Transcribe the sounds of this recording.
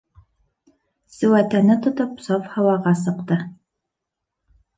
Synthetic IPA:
sɘ̆wæt̪ænɘt̪ŏt̪opsofhɑwɑʁɑsɤ̆qt̪ɤ

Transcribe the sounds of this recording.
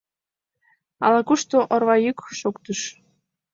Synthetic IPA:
ɑ̰lɑkuʃt̪oʔŏrβɑjykʃokt̪əʃ

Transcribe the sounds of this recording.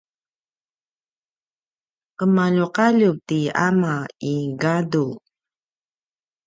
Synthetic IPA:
qəmaʎuqaʎutia̰maiɡadu

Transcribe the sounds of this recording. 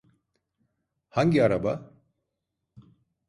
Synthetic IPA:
haɲɟʲiaɾaba

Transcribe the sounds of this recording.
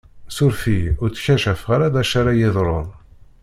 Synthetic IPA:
sʊɾfiʊɾt͡sːçæʃæfʁaɾaðæʃaɾajɪðˤɾˤoðˤ

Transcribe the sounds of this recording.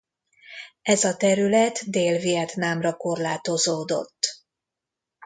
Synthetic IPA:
ɛzɒt̪ɛɾylɛt̪d̪eːlviɛt̪naːmrɒko̞rlaːt̪o̞zoːd̪o̞̰t̪ː

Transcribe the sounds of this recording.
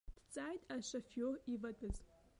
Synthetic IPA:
d̥ʰt͡sʼaːjtʼaʃɐfjoːrivɐtʰʼɨz

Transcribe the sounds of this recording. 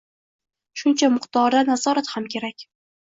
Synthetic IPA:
ʃʊnt͡ʃʰamʊχt̪ɒɾd̪anazɒɾat̪hamkʲʰe̞ɾakʲ

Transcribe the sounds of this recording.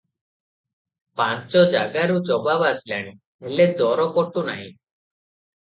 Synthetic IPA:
pãnt͡ʃɔd͡ʒaɡaɾut͡ʃɔbabaslaɽ̃i | eled̪ɔɾɔkɔʈuna̰ɦḭ̃

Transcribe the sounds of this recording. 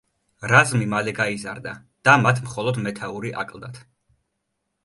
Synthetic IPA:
ɾazmimalɛɡaizaɾd̪a | d̪̥amat̪ʰmχɔlˠɔd̪mɛt̪ʰauɾiʔa̰kʼlˠd̪at̪ʰ

